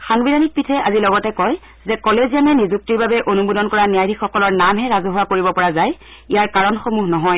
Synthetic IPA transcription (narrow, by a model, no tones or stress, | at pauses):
xaŋbidanik̚pitʰɛʔazilɔɡɔtɛkɔj | zɛkɔlezijanɛnizuk̚tiɹbabɛʔonubodɔnkɔɹanijajdʱixxɔkɔlɔɹnamɦɛɹazɔɦʊwakoɹibɔpɔɹazaj | ijaɹkaɹɔnxomuɦnɔɦɔj